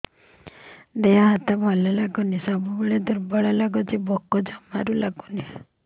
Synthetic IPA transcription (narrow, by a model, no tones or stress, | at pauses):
d̪ejaɦat̪abʱɔlɔlaɡunisɔbubəɭed̪uɾbɔɭɔlaɡɔd͡ʒibɔkːɔd͡ʒɔmaɾulaɡuni